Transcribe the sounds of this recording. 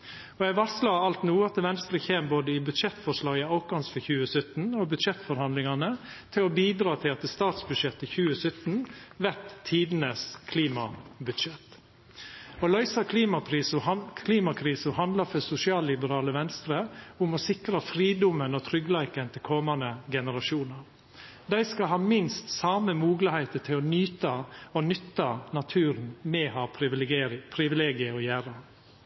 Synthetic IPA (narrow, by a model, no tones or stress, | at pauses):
ɔɛɡʋɑɾslɑɑlt̪nuːɑt̪əʋɛnst̪ɾəçeːmboːd̪əɪbʉd̪ʂɛt̪fɔʂlɑːɡəɑʊkɑnsfɔçʉːəsœt̪n̩ɔbʉd̪ʂɛt̪ːfɔɾhɑnd̪lɪŋɑnə | t̪ʰɪlɔbiːd̪ɾɑːt̪ʰɪlɑt̪ɛst̪ɑːt̪sbʉd̪ʂɛt̪ːəçʉːəsœt̪nʋæt̪ʰːiːd̪nəskʰliːmɑbʉd̪ʂɛt̪ | ɔlœʏsɑkʰliːmɑpʰɾiːskʰliːmɑkʰɾiːsʊɦɑnd̪lɑɾfœsʊsɪɑːllɪbəɾɑːləʋɛnst̪ɾəʊmɔsɪkɾəfɾiːd̪ʊmənɔt̪ʰɾʏɡlæɪkənt̪ʰɪlkʰɔmɑnəɡɛnəɾɑʃuːnəɾ | d̪æɪskɑɦɑːmɪnst̪sɑːməmuːɡlɪhæɪt̪ət̪ʰɪlɔnyːt̪ɑɔnʏt̪ːɑnɑt̪ʰʉːɾnmɛhɑː | pʰɾɪʋɪleːɡɪəɔjæːɾə